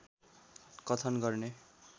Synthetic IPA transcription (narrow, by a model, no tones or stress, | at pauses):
kʌt̪ʰʌnɡʌrne